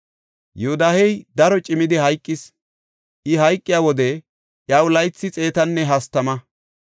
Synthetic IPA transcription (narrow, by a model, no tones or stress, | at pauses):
jɛʊd̪aːhɛjd̪ɐɾɔt͡ʃʼɪmɪd̪ɪɦɐjkʼːɪs | ʔɪɦɐjkʼːɪjawɔd̪ɛ | ʔjɐwʊlɐjt͡sːɪt͡sʼe̞ːt̪ɐnːɛɦɐst̪ɐmɐ